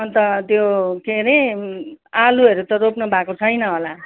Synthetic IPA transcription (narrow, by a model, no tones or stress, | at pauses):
ʌnt̪ʌt̪jokenʌ | aluɦeɾut̪ʌɾopnʌbʱakot͡sʰʌjnʌɦola